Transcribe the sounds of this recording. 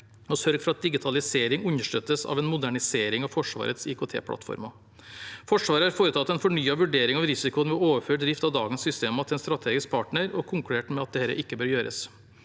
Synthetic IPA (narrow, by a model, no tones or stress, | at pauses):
ɔsœɾɡfɾɑt̪̚d̪ɪɡɪt̪ʰɑlɪseːɾɪŋʉɲːəʂʈœt̪ːəsɑ̰ʋɛnmʊd̪æɳɪseːɾɪŋɑʋfɔʂʋɑ̰ːɾət̪sɪkʰʊːt̪ʰḛːpʰlʔɑ̰t̪fɔ̰ɾmɑ | fɔʂʋɑːɾəhɑɾfoːɾət̪ʰɑt̪ːɛnfɔɳyːɑʋʉɖeːɾɪŋɑʋɾɪsɪkʊənʋɛoːʋəføːʈd̪ɾɪft̪ɑʋd̪ɑ̰ːɡənsʏst̪eːmɑt̪ɪlɛnst̪ɾɑt̪ʰeːɡɪsk̚pʰɑːʈɳəɾɔkʰʊŋkʉɽeːʈmɛɑt̪̚d̪ɛhɛːɾə̰ʔɪkːəbøːɾjøːɾə̰s